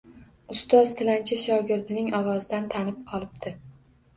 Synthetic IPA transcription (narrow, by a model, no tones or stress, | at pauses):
ʊst̪ɒzt̪ʰɪlant͡ʃʰɪʃɒɡʲɪɾd̪ɪnɪŋɒwɒzɪd̪ant̪ʰanɪp̚qʰɒlˠɪbd̪ɪ